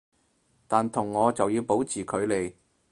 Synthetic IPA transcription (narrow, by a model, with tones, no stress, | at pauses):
t̪aː˨nt̪ʰʊ˨˩ŋːɔː˨˧t͡sɐ˨wjiː˧wpo˨˥wt͡sʰiː˨kʰɵ˨˧ɥle˨˧j